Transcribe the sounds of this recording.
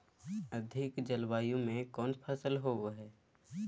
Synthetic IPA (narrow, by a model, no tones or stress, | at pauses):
əd̪ʱɪkd͡ʒəlwaːjõmẽkɔːnpʰaːsəlɦoɦɛː